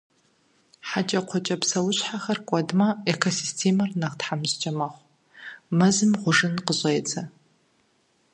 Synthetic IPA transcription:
ħat͡ʃʼɐqʷʰɔt͡ʃʼɐpsɐwʊɕħaxɐrkʷʼɔdmɐekʰosistʰemɐrnɐʁtħamzt͡ʃʼɐmɐχʷ | mɐzɨmʁʷʊʐɨnqəɕʼeːt͡sʰʼɐ

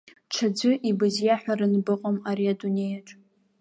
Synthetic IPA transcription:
t͡ʃʰad͡ʒʷɨʔibɨzjaħʷᶣaɾɨnbɨqʼomaɾiadunʲe̞jaʈ͡ʂʷʼ

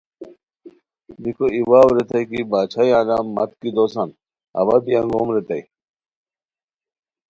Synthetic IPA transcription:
bikoiwaːwɾet̪ɐjkibaːt͡ɕʰajãːlaːmːɐ̰t̪̚kid̪oːsan | ɐ̰bab̪ijãŋɡoːmɾet̪ɐi

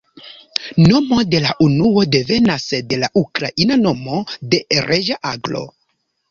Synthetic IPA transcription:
no̞mo̞de̞laʔunuo̞de̞ve̞nasde̞laʔukɾaʔinano̞mo̞de̞ɾeʒaʔaɡlo̞̰

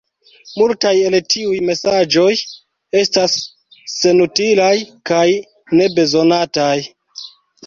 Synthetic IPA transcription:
multaje̞ltiujme̞sad͡ʒo̞j | e̞stasː | e̞nutilajkaj | ne̞be̞zo̞nataj

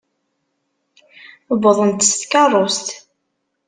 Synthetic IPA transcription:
əbəðˤənt̪st̪kɑrˤːost̪

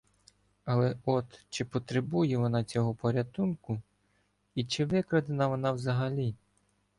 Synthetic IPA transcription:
ɐlˠɛɔt̪t͡ʃɪpɔt̪ɾebujɛʋɔnɑt͡sʲɔɦɔpɔɾʲɐt̪unkʊ | it͡ʃɪʋɪkɾɐd̪ɪnɐʋɔnɑwzɐɦɐlʲi

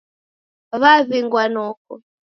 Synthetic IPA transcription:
βaβiŋɡwanɔk̚ɔ

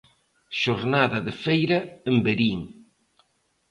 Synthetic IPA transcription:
ʃoɾnaðɐðefejɾɐembeɾiŋ

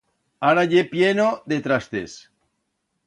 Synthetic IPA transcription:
aɾaʝepjenoðet̪ɾast̪ḛs

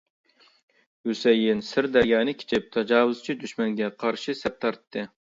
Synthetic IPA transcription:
husɛjɪnsɪɾd̪æɾjɑːnɨkʲʰe̥t͡ʃʰɪp̚t̪ʰɑd͡ʒɑːwʊz̥t͡ʃʰid̪yʃmɛŋɡʲɛqʰɑɾʃisɛp̚t̪ʰɑɾt̪ʰːɨ

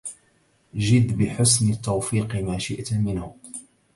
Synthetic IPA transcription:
ʒɪd̪bɪħʊsnɪt̪ːɑwfiːqɪmaːʃɪʔt̪mɪnhʊ

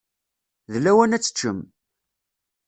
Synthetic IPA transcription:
ðlːæwænæt͡sːə̥t͡ʃːəm

